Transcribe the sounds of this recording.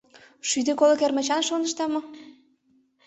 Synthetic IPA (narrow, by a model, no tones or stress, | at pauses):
ʃyd̪ekolɤ̆kermə̆t͡ɕɑnʃonə̆ʃt̪ɑmɤ̆